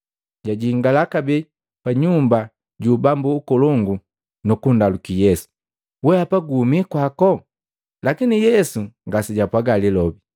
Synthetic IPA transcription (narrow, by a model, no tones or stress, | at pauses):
ɟaɟiŋɡalakabɛ | paɲumba | ɟuːbambuːkɔlɔŋɡu | nukundalukijɛsu̥ | wɛapaɡuːmikwakɔ | lakinijɛsuŋɡasiɟapwaɡalilɔbi